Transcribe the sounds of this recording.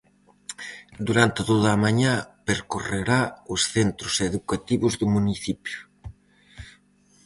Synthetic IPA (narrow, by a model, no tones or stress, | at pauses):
d̪uɾant̪et̪oðaːmaɲapeɾkoreɾaʊsθent̪ɾʊseðukat̪iβʊzðʊmuniθipjʊ̥